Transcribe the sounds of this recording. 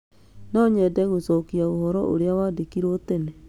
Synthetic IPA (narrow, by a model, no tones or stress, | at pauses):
nɔɲɛdɛɣosɔkiaohɔɾɔ̰ʔo̰ɾeawadekiɾotene